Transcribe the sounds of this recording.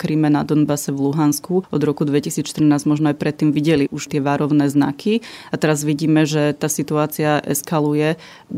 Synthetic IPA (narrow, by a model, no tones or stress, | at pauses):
kɾiːmɛnad̪ɔnbasɛʋluɦanskuʔɔd̪ɾɔkud̪ʋɛcisiːt͡sʃt̪ɾ̩naːzmɔʒnɔajpɾɛt̪ːiːmʋiɟɛliʔuʃt̪ɪɛʋaːɾɔʊnɛːzna̰kʰiat̪ɛɾazʋiɟiːmɛʒɛt̪aːsit̪uaːt͡siaʔɛ̰skalujɛ